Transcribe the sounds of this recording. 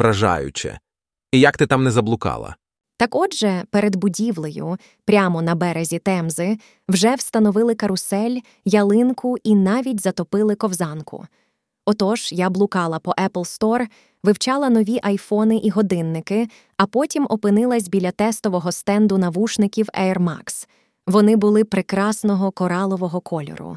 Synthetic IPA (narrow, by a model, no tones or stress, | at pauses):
ɾɐʒɑ̰jʊ̰t͡ʃɛ̰ | ijɐkt̪ɪt̪amnɛzɐblˠʊkɑ̰lˠɐ̰ | t̪ɐkɔʒɛpeɾed̪bʊdʲiʋlˠejʊ̰ | pɾʲamɔnɐbɛɾezʲit̪ɛmzɪ | wʒɛwst̪ɐnɔʋɪlˠɪkɐɾʊsɛlʲ | jɐlˠɪnkʊinɑʋʲitʲzɐt̪ɔpɪlˠɪkɔwzɑnkʊ̰ | ɔt̪ɔʒ̥jablˠʊkɑlˠɐpɔʔɛplˠst̪ɔr | ʋɪwt͡ʃɑlˠɐnɔʋʲiʔɐjfɔnɪʔiɦɔd̪ɪnːɪkɪ | ɐpɔtʲimʔɔpɪnɪlˠɐsʲbʲilʲːɐt̪ɛst̪ɔʋɔɦɔst̪ɛnd̪ʊnɐʋuʃnɪkʲiwɛ̰rmɑ̰ks | ʋɔnɪbʊlˠɪpɾɪkɾɑsnɔɦɔkɔɾɑlˠɔʋɔɦɔkʰɔlʲɔ̰ɾʊ̰